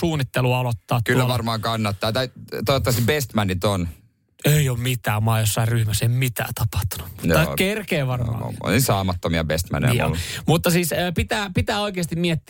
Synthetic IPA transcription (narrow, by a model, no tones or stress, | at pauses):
uːnːit̪ːeluɑolot̪ːɑːt̪ːkylːæʋɑrmɑːŋkɑnːɑt̪ːɑːt̪ɑt̪oot̪ːɑsibest̪mænit̪on | ejoːmmit̪æːmɑːjosːɑirryhmæseimmit̪æ̰ːt̪ɑpɑ̥ht̪ːu̥nu̥t̪ɑkerkeːʋɑrmɑ̰ːo̰nnisɑːmɑt̪ːomiɑ̰best̪mæ̰nḛjo̰mut̪ːɑsiːsøːpit̪æːpit̪æːoikeːɑst̪immiet̪ː